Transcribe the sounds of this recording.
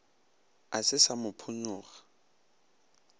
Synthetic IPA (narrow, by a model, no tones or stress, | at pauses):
asɪsamʊpʰʊnʊːɣḁ